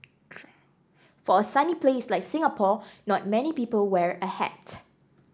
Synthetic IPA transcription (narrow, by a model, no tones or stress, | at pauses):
fɔəsanipleslaɪk̚sɪ̃ŋapʰɔnɔt̚mɛnipiːpəlwɛɹəhɛ̰t